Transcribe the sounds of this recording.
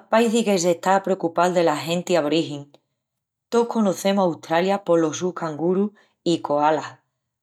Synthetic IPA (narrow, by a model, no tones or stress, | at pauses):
paiθike̞s̬eht̪apɾeokupalðe̞laɦẽ̞nt̪iaβɾiɦiŋ | t̪okʰo̞noθe̞mosawt̪ɾaljapo̞losukaŋɡuɾu | iko̞ala